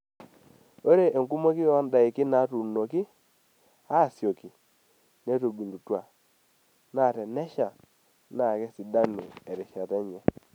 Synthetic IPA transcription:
o˦ɾe˨ʔe˨ŋku˦mo˦kɪ˦jɔ˦nda˨ɪ˨kɪ˦na˨˦tu˨no˨kɪ˦ | a˦˨sjo˨ki˨ | ne˦to˨bu˨ndu˨twa˨ | na˨tɛ˨nɛ˦ʃa˨ | na˨kɛ˦si˨da˦nɪ̰˨ɛ˨ɾɪ˨ʃa˨tɛ˦ɲɛ˨

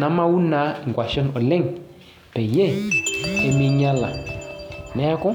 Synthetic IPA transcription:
na˨˦ma˦wu˦na˨˦i˨ŋ˨kwa˨ʃɔ˦nɔ˨lɛ˦ŋ˨ | pɛ˨je˦˨e˦mi˦ɲa˦la̰˨ | nɛ˨˦kɔ˦

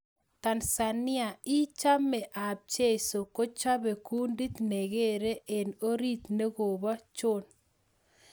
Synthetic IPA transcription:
t̪a˨nsa˨nɪ˦a˨i˦t͡ʃa˦mːɛ˨ʔa˨b̚t͡ʃe˦so˨ko˦t͡ʃa˦be˨ku˦ndi˦t̪ne˨ɡe˦ɾe˦ʔe˨no˦ɾi˦t̪ne˦ɣo˨ba˦t͡ʃo˦n

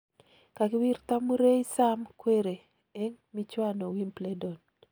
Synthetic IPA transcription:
ka˨kɪ˦wi˦ɾt̪a˦mu˦ɾe˦jsa˦mkwe˦ɾe˨ | ɛ˦ŋmi˦t͡ʃwa˦no˨wi˦mple˦do˨n

